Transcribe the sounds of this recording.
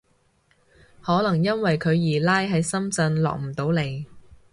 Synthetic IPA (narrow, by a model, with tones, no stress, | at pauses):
hɔː˨˥lɐ˨˩ŋjɐ˥nwɐ˨jkʰɵ˨˧ɥjiː˨˩laː˥jɦɐ˨˥jsɐ˥mt͡sɐ˧nlɔ̰ː˨k̚m̩˨˩t̪o˨˥wle˨j